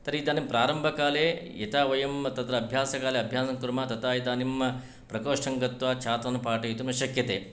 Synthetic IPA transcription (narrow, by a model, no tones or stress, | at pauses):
t̪ɐɾeid̪aːnimpɾaːɾɐmbʱɐkaːleit̪aːʋɐjɐmt̪ɐt̪ɾɐːbʱjaːsɐkaːleɐbʱjaːsɐmkuɾmɐt̪ɐt̪aːid̪aːnim | pɾɐkoːʂɐŋɡɐt̪ʋaːt͡ʃʰaːt̪ʋɐnupaːʈɐjit̪unɐʃɐkjɐt̪ḛː